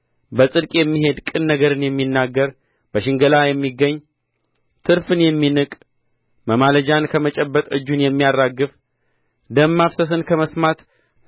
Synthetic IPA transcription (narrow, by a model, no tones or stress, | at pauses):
bəsʼɨd̪kʼjɛmːiɦe̞d̪kʼɨnːəɡəɾɨnjɛmːinːaɡːəɾ | bəʃɪŋɡəlajɛmːiɡːəɲː | t̪ʰɨɾfɨnjɛmːinɨkʼ | məmaləd͡ʒankʰəmət͡ʃʼɛbːət̪ʼɨ̰d͡ʒːunjɛmːijarːaɡːɨf | d̪əmːafsəs̬ɨnkʰəməsmat̪